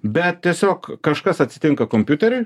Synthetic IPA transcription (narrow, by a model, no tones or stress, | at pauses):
bʲɛt̪̚t̪ʲiɛsʲoːkkɐʃkɐsɐt̪ʲsʲɪ̥t̪ʲɪŋkɐkoːmʲpʲjut̪ʲɛɾʲʊɪ